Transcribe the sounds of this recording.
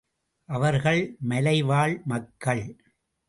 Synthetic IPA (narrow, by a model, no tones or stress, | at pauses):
ʔɐʋɐɾɣɐɭmɐlɐɪʋaːɭmɐkːɐɭ